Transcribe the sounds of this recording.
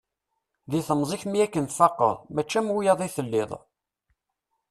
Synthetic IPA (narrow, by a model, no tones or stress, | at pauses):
ðiθəmzˤiçmijækːənt̪fɑqːə̰ðˤmæt͡ʃːæmwujɑðˤiθəlːɪðˤ